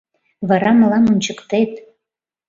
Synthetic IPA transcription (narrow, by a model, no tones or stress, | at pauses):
βɑɾɑməlɑmonʲt͡ɕəkt̪et̪̚